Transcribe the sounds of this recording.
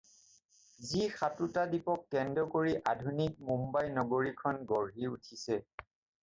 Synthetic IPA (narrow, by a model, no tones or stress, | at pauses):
zixatutadipɔkːɛndɔkoɹiʔadʱunik̚mumbajnɔɡoɹikʰɔnɡɔɹɦiutʰisɛ